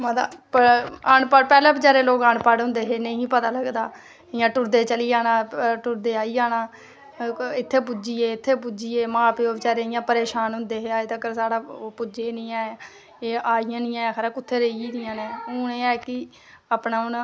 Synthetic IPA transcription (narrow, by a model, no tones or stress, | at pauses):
mãːd̪a̰ːpəəɳpapɛːlãːbɪt͡ʃaːɾeːloːkaɳpaɽɦʊ̃nd̪eːɦeːnə̃ĩːpət̪aːləɡd̪aː | ɪjãːʈʊɾd̪eːt͡ʃəliːaːnãːʈʊɾd̪eːaːiːd͡ʒaːnãː | ɪt̪ʰːeːp̬ud͡ʒiːeːɪt̪ʰːeːp̬ud͡ʒiːeːmãːpeːoːbɪt͡ʃaːɾeɪjãːpəɾeːʃaːnɦʊ̃nd̪eːɦeːaːet̪əkəɾsaːɽaːopʊd͡ʒeːnɪ̃ːaːɛ | eːʔaːɪjãːnɪ̃jãːjãːkʰːɾãːkʊt̪ʰːeːɾeiiːd̪ɪjãːnẽːʊːneːaːkɪ | aːpnaːn